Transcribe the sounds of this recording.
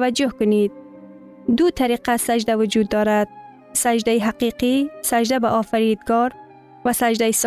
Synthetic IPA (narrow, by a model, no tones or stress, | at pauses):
ad͡ʒʊhkʊnid̪̚ | d̪ʊt̪ʰaɾiqasad͡ʒd̪awʊd͡ʒuːd̪ːɔːɾad̪̥̚ | sad͡ʒd̪ajiɦaqiqisad͡ʒd̪abaʔɔːfaɾid̪ɡɔːɾ | vasad͡ʒd̪ajis